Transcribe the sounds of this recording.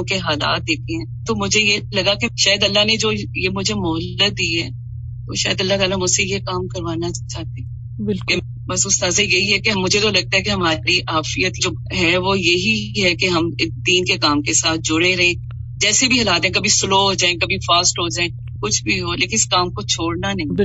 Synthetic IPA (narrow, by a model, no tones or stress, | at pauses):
keɦaːla̰ːt̪̚d̪eːkʰẽɦɛ̃t̪omʊd͡ʒʱejelɐɡakeʃaːjəd̪ɐlːaɦned͡ʒoːjemʊd͡ʒʱemʊɦəlːət̪̚d̪iːɦɛ̰ː | t̪o̰ʃa̰ːjəd̪ɐlːat̪aːlamʊd͡ʒsejekaːmkɐɾʋaːnat͡ʃaːɦt̪e | bɪlke | bɐsʊst̪aːzajɐɦiɦɛkeɦɐmːʊd͡ʒʱet̪olɐɡ̚t̪aɦɛkeɦɐmaːɾiʔaːfijət̪d͡ʒoː | ɦɛʋoːjɐɦiɦɛkeɦɐmd̪iːnkekaːmkesaːt̪̚ʰd͡ʒʊɽeɾɐɦẽː | d͡ʒɛːsebʱiɦɐlaːt̪ẽɛ̃k̬ɐbʱisʊloːɦod͡ʒaːẽkɐbʱifaːsʈɦod͡ʒaːẽ | kʊt͡ʃʰbʱiɦoleːkɪ̃nɪskaːmkot͡ʃʰoːɽnanɐɦĩɪ